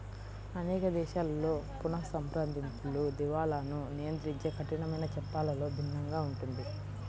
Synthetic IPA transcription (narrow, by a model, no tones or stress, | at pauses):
ɐneːkɐd̪ɛːʃaːlːo̞ːpunɐsɐmpɾand̪int̪ulud̪iʋaːlɐnunijɐnt̪ɾiɲt͡ʃe̞ːkʰɐʈiɳɐmɐjnɐt͡ʃɛpːaːlɐlo̞ːb̪ʱinːɐŋɡaːuɳʈund̪i